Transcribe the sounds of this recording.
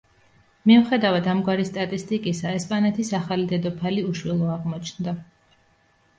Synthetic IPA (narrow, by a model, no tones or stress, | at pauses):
miuχɛd̪avad̪amɡwaɾist̪ʼat̪ʼist̪ʼikʼisaɛspʼanɛt̪ʰisaχalid̪ɛd̪ɔpʰaliuʃwɛlˠɔaʁmɔt͡ʃʰnd̪a